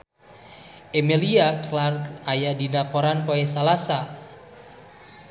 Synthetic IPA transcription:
ʔemiliaklarajadinakoɾanpoɛsalasa

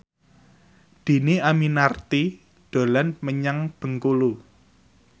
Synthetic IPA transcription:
d̪̥i̤niaminart̪i | d̪̥o̤lanməɲaŋb̥ə̤ŋkulu

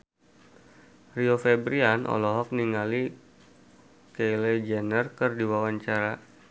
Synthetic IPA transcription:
riofɛbɾianʔɔ̰lɔɦɔk̚niŋali | keled͡ʒɛnərkərdiwawaɲt͡ʃaɾa

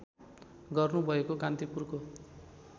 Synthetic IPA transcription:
ɡʌrnubʱʌekokant̪ipurko

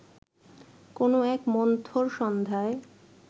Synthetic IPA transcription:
konoɛkmɔnt̪ʰoɾʃɔnd̪ʱae

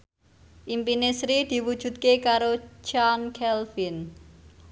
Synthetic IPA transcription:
ʔimpinesɾid̪̥i̤wud̥ʒ̥ṳt̪̚kekaɾot͡ʃankʰɛlfin

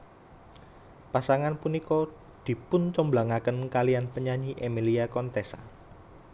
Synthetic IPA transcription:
pasaŋanpunikɔ | d̪̥i̤pʊnt͡ʃɔmblaŋakənkalianpəɲaɲiʔemiliakɔnt̪esa̰

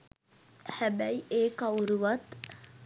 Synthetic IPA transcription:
hæbæjeːkauɾuʋɐt̪

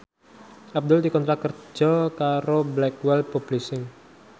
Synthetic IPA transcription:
ʔab̚d̪ʊld̪ikɔnt̪ɾakər̥d͡ʒʒ̥ɔkaɾoblɛkwɛlpub̥lisɪŋ

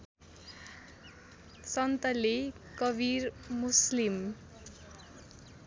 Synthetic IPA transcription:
sʌnt̪ʌle | kʌbʱirmuslim

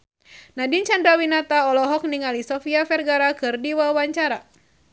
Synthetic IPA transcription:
nadint͡ʃandɾawinat̪aɔlɔɦɔk̚niŋalisɔfiafɛrɡaɾakɨrdiwawaɲt͡ʃaɾa

